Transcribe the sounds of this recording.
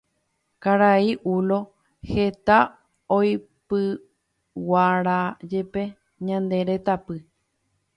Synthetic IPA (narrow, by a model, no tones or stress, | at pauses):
kaɾaiʔulo̞ | he̞t̪a | ojpɨ | waɾad͡ʒe̞pe̞ | ɲãnd̪e̞ɾe̞t̪apɨ